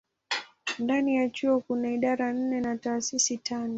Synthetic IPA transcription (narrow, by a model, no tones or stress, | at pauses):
ndanijat͡ʃuɔkunaiɗaɾan̩nɛnataːsisitanɔ